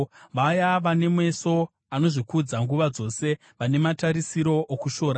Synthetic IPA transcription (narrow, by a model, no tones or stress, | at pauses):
ʋajaʋane̞mwe̞so̞ | ano̞ʐikud͡zaŋɡuʋad͡zo̞ːse̞ | ʋane̞mataɾisiɾo̞ʔːkuʃo̞ːɾa